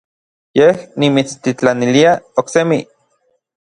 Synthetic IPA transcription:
jehnimit͡st̪it͡ɬaniliaoksemi

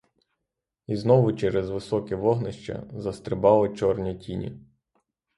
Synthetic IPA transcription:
iznɔʋʊt͡ʃɛɾɛzʋɪsɔkɛʋɔɦnɪʃt͡ʃɐ̰zɐst̪ɾɪbɑlˠɔt͡ʃɔrnʲitʲinʲḭ

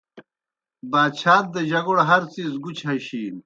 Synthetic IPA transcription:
baːd̪t͡ɕʰaːt̪̚d̪ɐʑɐɡuɽɦɐɾt͡siːzɡut͡ɕʰhɐɕiːn

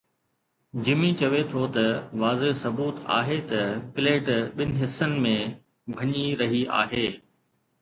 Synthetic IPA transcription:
d͡ʑɪmĩt͡ɕɐʋet̪ʰot̪ɐʋaːzeɦsɐbuːt̪a̰ːɦet̪ɐpɪleːʈɓɪnɪ̆ɦɪsənɪ̆mẽ | bʱɐɲiɾɐɦia̰ːɦeː

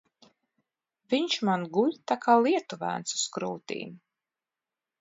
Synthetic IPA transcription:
viɲt͡ʃmanɡulʲt̪akʰaːlˠiɛt̪uvæ̰ːnt̪su̥skɾuːt̪ḭːm

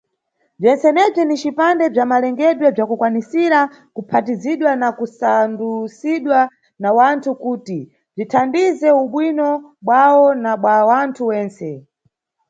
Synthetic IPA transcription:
b͡ʐɛnsɛnɛb͡ʐinit͡ʃipandɛb͡ʐamalɛŋɡɛɗwɛb͡ʐakukwanisiɾa | kupʰatiziɗwanakusandusiɗwa | nawantʰukuːti | b͡ʐitʰandizɛuɓwinɔɓwawɔnaɓwawantʰuwɛːnsɛ

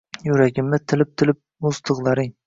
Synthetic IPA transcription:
jʊɾaɡʲɪmnɪt̪ʰɪlɪp̚t̪ʰɪlɪp̚mʊst̪ʰɨqlˠaɾɪŋ

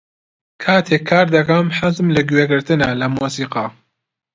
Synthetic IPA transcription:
kʰaːt̪ʰeːkʰːaːɾd̪ɐkɐmħazmlɐɡweɡɨɾt̪ɨnalɐmuːsiːqɑ

